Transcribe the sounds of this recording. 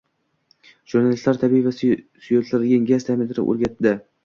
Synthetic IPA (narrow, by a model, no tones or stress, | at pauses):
ʒ̥uɾnalɪst̪laɾt̪ʰabivasʊjot̪laɾɡʲanɡʲast̪ʰamɪnt̪ʰɪɾɪ̰ʔo̰ɾɡʲat̪̚d̪ɪ